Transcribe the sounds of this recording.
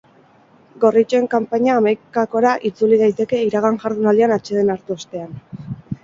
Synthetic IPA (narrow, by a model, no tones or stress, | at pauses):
ɡo̞rit͡ʃoe̞ŋkampaɲaːmajkako̞ɾaʔit͡sulið̞ajt̪e̞ke̞iɾaɣ̞aŋʝaɾðunald̪ianat͡ʃe̞ðe̞naɾt̪uost̪e̞an